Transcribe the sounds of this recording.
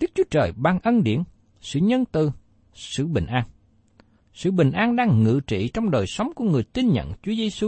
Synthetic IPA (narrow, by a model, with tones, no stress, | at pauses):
ɗɨ˦˥k̚t͡ɕu˨˦ət͡ɕəː˨˩jɓaː˨˩nʔə˧nɗḭ˧˩ən | sɨ̰˧˨ɲə˧nt̪ɨ˨˩ | sɨ̰˧˨ɓï˨˩ŋ̟ʔaː˧n | sɨ̰˧˨ɓï˨˩ŋ̟ʔaː˧nɗaː˧ŋːɨ̰˧˨t͡ɕḭ˧˨t͡ɕɔ˧wŋ͡mɗəː˨˩jsə˨˦wŋ͡mku˧˩əŋɨ˨˩əjt̪i˧nɲə̰˧˨nt͡ɕu˨˦əzi˧su˧